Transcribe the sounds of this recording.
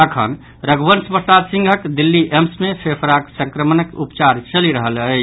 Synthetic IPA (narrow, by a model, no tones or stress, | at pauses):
t̪əkʰə̰n | ɾəɡbənspəssad̪sĩŋɡʱəkd̪ilːiʔemsmesʰepʰɾaksə̃ŋkɾəmənəkupt͡ʃaɾt͡ʃəliɾəɦələ